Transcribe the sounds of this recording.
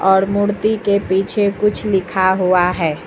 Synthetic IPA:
ɔːɾmʊɽt̪ikepiːt͡ʃʰekʊt͡ʃʰlɪkʰaɦuaɦɛː

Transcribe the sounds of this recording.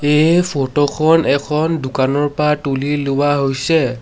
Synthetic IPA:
ejpʰotokʰɔnʔɛkʰɔndukanɔɹpɹatulilʊwaɦojsɛ

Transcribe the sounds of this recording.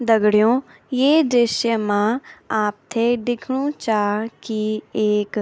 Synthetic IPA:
d̪ɐɡɽijõː | jeːd̪eːʃjəmãaːp̚t̪ʰeɖɪkʰɽũt͡ʃaːkieːk

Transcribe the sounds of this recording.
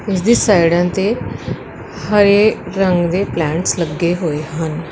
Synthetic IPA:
esd̪isajɽãnt̪e | həɾeɾəŋɡd̪eplãɳʈsləɡeɦoeɦən

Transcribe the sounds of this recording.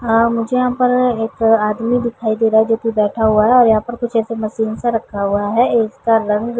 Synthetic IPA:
mʊd͡ʒʱejɐɦãpɐɾeːkaːd̪mid̪ɪkʰaːid̪eːɾaːɦɛd͡ʒoːt̪ibɛːʈʰaɦuaɦɛɔːɾjɐɦãpɐɾkʊt͡ʃʰɛːsemɐʃiːnsaɾɐkʰːaɦuaɦɛeːskaɾɐ̃ŋɡ

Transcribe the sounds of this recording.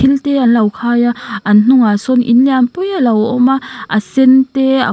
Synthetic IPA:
ilteanlawkʰajaann̥uŋasɔnʔḭnleanpujalawʔɔmaʔasentea̰

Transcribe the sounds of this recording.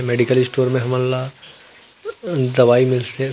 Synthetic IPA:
meːɖikəlɪsʈoːɾmẽɦɐmənːa | d̪ɐʋaːimɪlse

